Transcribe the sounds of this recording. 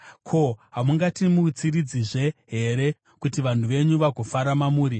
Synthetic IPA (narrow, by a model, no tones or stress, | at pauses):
kʰo̞ɦamuŋɡatimut͡sirid͡ziʐe̞ɦe̞ɾe̞ | kutiʋan̤uʋe̞ɲuʋaɡʱofaɾamamuːɾi